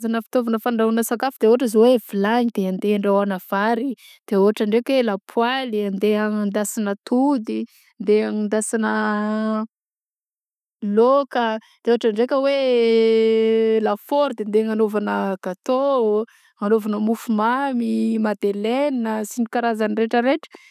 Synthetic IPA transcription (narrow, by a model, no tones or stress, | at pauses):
zanəfi̥t̪ovanəfaɳɖ͡ʐaɦunəsakafud̪̥eoʈ͡ʂəzowevilaɲid̪̥eand̪eaɳɖ͡ʐawanav̥aɾi | d̪̥eoaʈ͡ʂaɳɖ͡ʐekwelapʰwaliand̪eaŋnd̪asinət̪ʰud̪i | nd̪eaŋind̪asinə | lokəd̪̥eoaʈ͡ʂaɳɖ͡ʐekʲəwe | lafoɾud̪end̪eaŋanovanəɡ̥at̪o | anovanəmufumamimad̪elenəsiɲikaɾazanireʈ͡ʂəɾeʈ͡ʂə̥